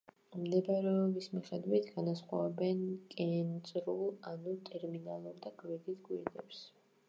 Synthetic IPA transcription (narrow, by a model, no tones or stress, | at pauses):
md̪ɛbɛɾɛbismiχɛd̪wit̪ʰɡ̥anasχwaɛbɛnkʼɛnt̪sʼɾulˠanut̪ʼɛɾminalˠuɾd̪aɡvɛɡ̪isɡwiɾd̪ɛps